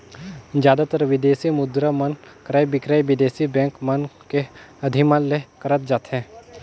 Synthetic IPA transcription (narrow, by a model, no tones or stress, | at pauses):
d͡ʒjaːd̪at̪əɾʋɪd̪eːsimʊd̪ɾamən | kɾaːjbɪkɾajʋɪd̪eːsibɛ̃ːŋkmɐnkeɐd̪ʱimanlekɐɾət̪̚d͡ʒaːt̪ɦɛ̃ː